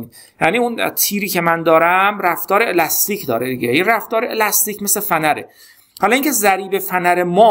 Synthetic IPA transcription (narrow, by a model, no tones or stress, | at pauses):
ni | jæːniːunt̪ʰiːɾiːcʰe̞mænd̪ɒːɾæmræft̪ɒːɾeelɒst̪iːcʰd̪ɒ̰ːɾed̪iɟejiræft̪ɒːɾeelæst̪iːcʰme̞slefænæɾḛ | hɒlɒiːŋcʰe̞zæɾiːbe̞fænæɾemɒː